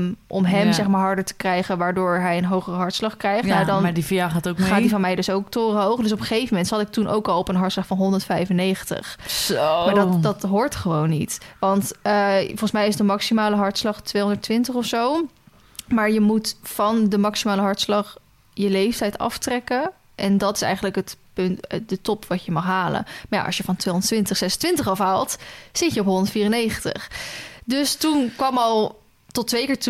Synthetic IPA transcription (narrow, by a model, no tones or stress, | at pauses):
ʔɔ̰mɦɛmzɛχmaːɹɦɑɹdəɹtə̥krɛjχənʋaːɹdʊːɹɦɛjənɦowχərəɦɑɹtslɑχkrɛjχadɑnadifijaχaːtokχaːtdifɑnmɛjdɵsowktoːrəɦowχədʏs̬ɔpəχejvəmɛntsɑtɪk̚tunʔo̰wkɑlˠɔpənɦɑɹtslɑχfɑnɦɔndəɹtfɛjfənːejχəntə̰χmmaːdtdɑtɦʊːɹtχəʋownːitʋɑntfɔlˠχən̩smɛjɪsdəmɑksimaːləɦɑɹtslɑχtʋejɦɔndəɹtʋɪntəχɔfsow | maːɹjəmutfɑndəmɑksimaːləɦɑɹtslɑχ | jəlejftɛjtɑ̰ftrɛkə | ʔɛndɑtɪsɛ̰jχənləkɦətpɵntdətɔpʋɑcəmɑχɦaːlə̰nmaja̰ʔɑ̰sʃjəvɑntʋejõndəɹtʋɪntəχsɛsəntʋɪntəχɑfɦaːlˠtsɪtjəɔpɦɔndətfiːrənejχəntə̰χdøstunkʋɑmɑlˠ | tɔtʋejkɪːɹtu